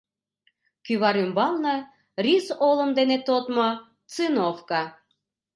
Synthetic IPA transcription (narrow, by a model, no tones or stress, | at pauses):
kyβɑɾymbɑlnə | risolə̆md̪enet̪ot̪mo | t͡sɨnofkɑ